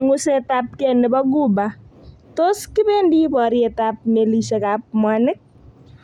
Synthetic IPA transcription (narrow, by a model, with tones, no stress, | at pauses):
ŋu˦setap̚kɛnɪbɔ˦ɡu˦bato˦skɪ˦be˦ndi˦pɔ˨ɾiɛ˨tap̚me˨li˨sɛ˨kap̚mwanɪ˦k̚